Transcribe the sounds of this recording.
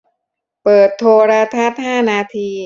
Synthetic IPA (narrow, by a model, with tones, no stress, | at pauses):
pɤː˨˩t̪ʰːoː˧ɾa˦˧˥t̪ʰa˦˥t̪̚haː˥˩naː˧t̪ʰiː˧